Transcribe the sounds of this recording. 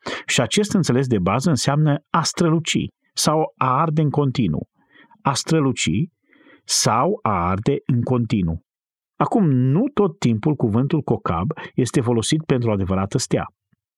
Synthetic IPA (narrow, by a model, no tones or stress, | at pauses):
ʃiat͡ʃe̞st̪ɨnt̪se̞le̞s̬d̪e̞bazəɨnseamnəast̪ɾəlut͡ʃḭ | sawaard̪eɨŋko̞nt̪inṵ | ast̪ɾəlut͡ʃḭ | sawaard̪e̞ɨŋko̞nt̪inṵ | akumnut̪o̞t̪ːimpulkuvɨnt̪ulko̞ka̰bje̞st̪e̞fo̞lo̞sit̪̚pe̞nt̪ɾuad̪e̞vəɾat̪əst̪ea̰